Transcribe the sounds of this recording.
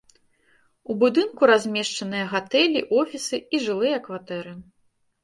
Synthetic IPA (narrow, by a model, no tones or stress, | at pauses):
ubud̪ɨnkuɾazʲmʲɛʂt͡ʂɐnɨjɐɣat̪ɛlʲiʔɔfʲisɨiʐɨlˠɨjɐkvat̪ɛɾɨ